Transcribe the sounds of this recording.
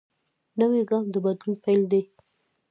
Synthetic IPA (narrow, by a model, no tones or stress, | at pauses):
nəweɡɑmd̪əbad̪lunpajld̪e